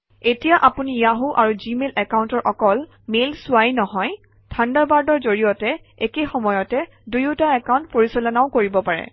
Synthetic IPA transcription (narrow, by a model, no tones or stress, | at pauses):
etijaʔapunijaɦuʔaɹuzimelɛkawntɔɹʔɔkɔl | melsʊajnɔɦɔj | tʰandabaɹdɔɹzoɹijɔtɛ | ekexɔmɔjɔtɛ | dujutaɛkawntpoɹisɔlɔnaʊkoɹibɔpaɹɛ̰